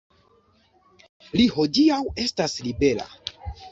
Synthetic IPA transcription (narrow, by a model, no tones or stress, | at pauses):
liho̞diawe̞staslibe̞la̰